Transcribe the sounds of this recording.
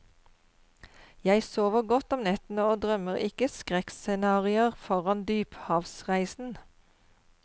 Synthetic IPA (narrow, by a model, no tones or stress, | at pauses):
jæɪsoːʋəʁɡɔt̪ɔmnɛt̪n̩əoːd̪ʁœməʁɪkəskʁɛksɛnɑːʁɪəʁfɔʁɑnd̪yːphɑːʋsʁæɪsn̩